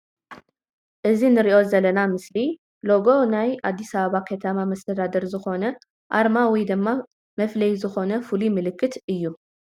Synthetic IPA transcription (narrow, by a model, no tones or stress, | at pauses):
ʔɨzinɨɾiʔo̞zɐlɐnamɨsli | lo̞ɡo̞najad̪ːisɐβaβakʰɐt̪ʰɐmamɐst̪ʰɐd̪ad̪ɐɾzɨxo̞nɐ | ʔaɾmawid̪ɨmːa | mɐflɐjzɨxo̞nɐfulimɨlɨkʰːɨt̪ɨjːu